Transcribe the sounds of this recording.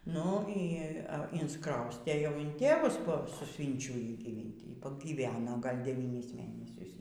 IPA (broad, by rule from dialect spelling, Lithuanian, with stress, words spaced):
ˈnʊ ˈiː ɪnsˈkrɐʊsʲtʲeː jɛʊ ɪn ˈtʲeːʋʊs poː sʊˈsʲʋʲiːnʲt͡ʃʲʊjiː ɡʲiːˈʋʲɪnʲtʲɪ ˈiː pɐɡʲiːˈʋʲæːnoː ˈɡɐlʲ dʲɛˈʋʲiːnʲɪs ˈmʲeːnʲɛsʲʊs